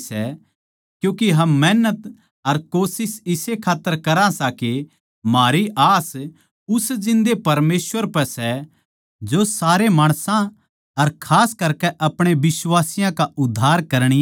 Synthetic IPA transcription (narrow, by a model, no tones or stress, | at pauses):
sɛ | kjũːkiɦɐmːɛːnət̪ | ɐɾkoːsɪsɪsekʰaːt̪ːəɾkɐɾãsaki | maːɾiʔaːs | ʊsd͡ʒɪ̃nd̪epɐɾmeːsʋəɾpɛsɛ | d͡ʒosaːɾemaːɽ̃sã | ɐɾkʰaːskɐɾkɛʔɐpɽ̃ebɪswaːsɪjãkaʔʊd̪ʱːaːɾkɐɾɽ̃i